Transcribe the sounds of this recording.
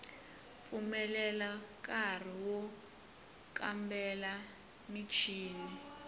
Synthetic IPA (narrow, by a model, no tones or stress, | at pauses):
fumɛlɛlak̬ʼar̤iwɔ | kambɛla | mit͡ʃʰiːni